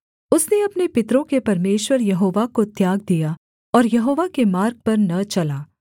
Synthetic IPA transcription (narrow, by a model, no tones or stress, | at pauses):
ʊsneɐpnepɪt̪ɾõkepɐɾmeːʃwəɾjɐɦoːʋakot̪jaːɡ̚d̪ija | ɔːɾjɐɦoːʋakemaːɾɡ̚pɐɾnɐt͡ʃɐlaː